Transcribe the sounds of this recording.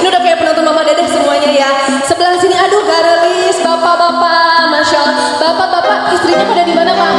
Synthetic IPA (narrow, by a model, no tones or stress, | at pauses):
iniudakajapənɔnt̪ɔnbɔnandadahsəmuaɲaja | səbəlahisiniaduɡaɾaisbapabapamaʃala | bapabapaist̪ɾiɲapadadimanapa